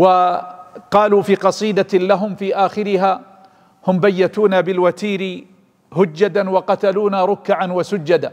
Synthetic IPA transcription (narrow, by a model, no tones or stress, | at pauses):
wa | qɑːluːfiːqɑsˤiːd̪alaɦʊmfiːʔaːxɪɾɪɦaː | hʊmbajːat̪uːnabɪlwat̪iːɾɪ | hʊd͡ʒːad̪anwɑqɑt̪aluːnaɾˤʊkːaʕanwasʊd͡ʒːad̪a